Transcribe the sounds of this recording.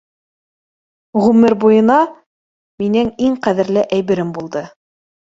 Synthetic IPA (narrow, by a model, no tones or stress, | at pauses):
ʁʉmɘɾbujɤ̆nɑ | minɘŋiŋqæðɘ̆ɾlɘʔæjβɘ̆ɾɘmbulˠd̪ɤ